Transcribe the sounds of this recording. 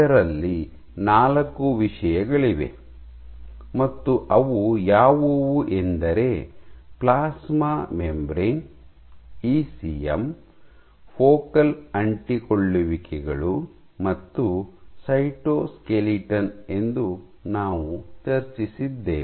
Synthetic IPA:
ɐɾɐlːi | naːlɐkːuʋiʂɐjɐɡɐɭiʋe̞̰ | mɐt̪ːuʔɐʋujaːʋuʋuʔend̪ɐɾe̞plaːsmaːmembɾiŋ | iːsiḛm | pʰoːkɐlɐɳʈikoɭːuʋikɛɡɐɭu | mɐt̪ːusɐjʈoːskeliʈɐne̞nd̪u | naːʋut͡ʃɐɾt͡ʃisid̪ːḛː

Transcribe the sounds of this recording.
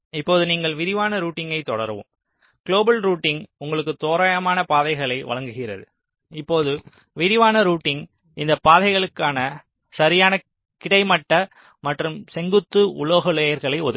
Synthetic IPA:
ɪpːoːðɯniːŋɡɐɭʋɪɾɪʋaːnɐɾuːʈːɪŋɡɐɪt̪ɔɽɐ̰ɾʋɯ̰m | ɡ̥ɭoːbɐlɾuːʈːɪŋʊŋɡɐɭɯkːɯt̪oːɾaːjɐmaːnɐpaːðɐɪɣɐɭɐɪʋɐ̰ɭɐŋɡɯɣɪrɐ̰ðɯ | ɪpːoːðɯ | ʋɪɾɪʋaːnɐɾuːʈːɪŋ | ɪnd̪ɐpːaːðɐɪɣɐɭɯkːaːnɐ | sɐɾɪjaːnɐ | kɪɽɐɪmɐʈːɐ | mɐʈrɯmsɛŋɡɯt̪ːɯʊ̰ɭoːɣɐɭeːjɐɾɣɐɭɐɪɔ̰ð

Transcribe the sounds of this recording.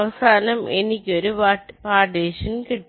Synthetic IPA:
ʋɐsaːnɐmʔɛ̰nːɪkːɪoɾɯpapaːʈeːʂɐnkɪʈː

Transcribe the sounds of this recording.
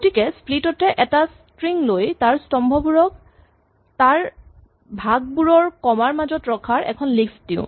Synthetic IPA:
ɡotikɛsplitɔtɛʔɛtas | tɹiŋlojtaɹstɔmbʱɔbuɹɔk̚ | taɹ | bʱaɡ̚buɹɔɹkɔmaɹmazɔtɹɔkʰaɹɛ̰kʰɔnliksdiʊ̰̃

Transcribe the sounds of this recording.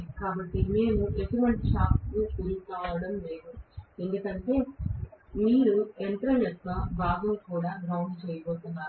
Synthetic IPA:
kaːbɐʈːineːnuʔesuʋɐɳʈʃaːpnukuluk̪aːʋɐɽɐmleːɡuend̪uk̪ɐnʈeː | miːɾueɳʈ̪ɾɐjet̪ːɐbʱaːɡɐmkuːɽaːɡɾɐwɳɖt͡ʃejɐbo̞ːt̪unːaː

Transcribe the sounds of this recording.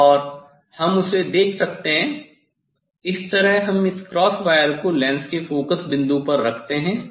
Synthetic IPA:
ɔːɾ | hɐmʊsed̪eːkʰsɐkt̪eɦɛ̃ | ɪst̪ɐɾəɦɦɐmɪskɾɔːsʋaːjəɾkolɛ̃ːnskefoːkəsbɪ̃nd̪ũpɐɾːɐkʰt̪eɦɛ̃ː

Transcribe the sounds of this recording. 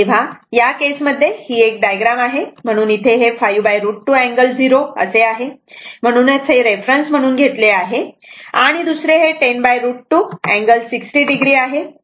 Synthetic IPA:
ĩʋ̤ajakesməd̪ʱːjehiːek̚ɖajɡɾamaɦem̤əɽ̃uːnit̪ʰeɦefajubajɾuʈʈːuɛ̃ŋɡəld͡ziɾoə̰seaɦem̤əɽ̃uːnat͡sɦeɾefɾənsm̤əɽ̃uːnɡʱet̪leaɦe | a̰ɽ̃id̪usɾeɦeʈenbajɾuʈʈːuæ̃ŋɡəlsiksʈiːɖiɡɾiːaɦe

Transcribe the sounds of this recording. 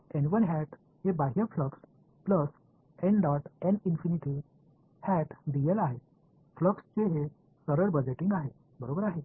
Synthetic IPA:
enʋənɦæʈ | hebaɦiəfləks | pləs | eɳɖɔʈɛninfiniʈi | hæʈd̪ijelaɦe | fləkst͡seɦe | səɾəɾbəd͡ʑeʈiŋɡaɦe | bəɾobəɾaɦe

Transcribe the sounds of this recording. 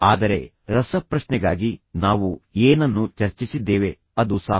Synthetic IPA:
aːd̪ɐɾe̞̰ | ɾɐsɐpɾɐʃnɛɡaːɡinaːʋueːnɐnːut͡ʃɐɾt͡ʃisid̪ːeːʋe̞ | ɐd̪usa̰ː

